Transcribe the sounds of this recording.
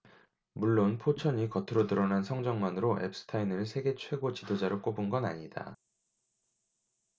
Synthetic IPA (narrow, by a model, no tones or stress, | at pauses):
muɭːonpʰot͡ɕʰʌɲikʌtʰɯɾodɯɾʌnansʰʌŋd͡ʑʌŋmanɯɾoʔe̞̰p̚s͈ɯ̥tʰainɯɭsʰe̞ɡe̞t͡ɕʰwe̞ɡot͡ɕidod͡ʑaɾɯɭk͈obunɡʌna̰ɲida̰